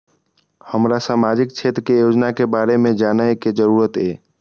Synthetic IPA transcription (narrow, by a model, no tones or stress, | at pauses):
həmɾasamad͡ʒik̚t͡ʃʰet̪ɾkejod͡ʒnakebaɾemed͡ʒanəjked͡ʒəɾuɾət̪e